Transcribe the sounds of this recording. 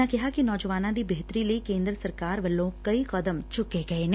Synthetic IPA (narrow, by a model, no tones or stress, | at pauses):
akɪɦakinɔːd͡ʒəʋaːnãd̪ibeɦt̪əɾileikẽːnd̪ɾəsɐɾkaːɾʋɐlːõkɐiqɐd̪əmt͡ʃʊkːeɡɐen